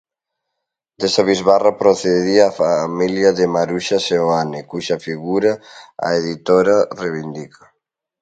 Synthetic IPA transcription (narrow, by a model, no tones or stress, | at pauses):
d̪esaβizβarapɾoθeðiaːfamiljɐðemaɾuʃaseoanɪkuʃɐfiɣuɾaa̰eðit̪oɾareβind̪ikʰa